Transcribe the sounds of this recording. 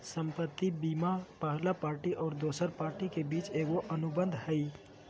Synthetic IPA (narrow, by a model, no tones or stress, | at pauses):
səmpət̪ːibimapəɦlapaɾʈiʔɔːɾd̪osəɾpaɾʈikebiːt͡ʃeɡoʔənubənd̪ʱhəɪ